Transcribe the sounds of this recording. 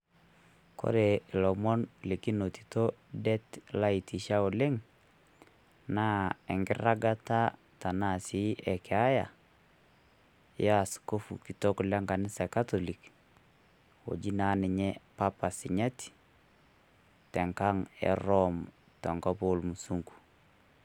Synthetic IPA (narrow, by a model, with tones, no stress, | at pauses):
kʰo̰˦ɾe˨lɔ˨mɔ˦nle˨ki˦no˨ti̥˨to˦dɛ˦tla˦i˨ti˨ʃa˦o˨le˦ŋ | na˦ɛ˨ŋɡɪ˦ra˦ɡa˦ta˦ | ta˨na˨si˦ʔɛ˨kʰɛ˨a˦ja̰˨ | ja˦a˨sko˦fu˨ki˨to˦kʊ˨la˦ŋɡa˨nɪ˦sa˨ka˦to˨li˨k | o̰˨d͡ʒi˦na˨˦nɪ˨ɲɛ˦pa˦pa˨sɪ˨ɲa˦ti̥ | tɛ˨ŋka˦ŋɛ̰˨rɔ˦m | tɔ˨ŋɡɔ˦po˦lmu˨su˦ŋɡu̥˨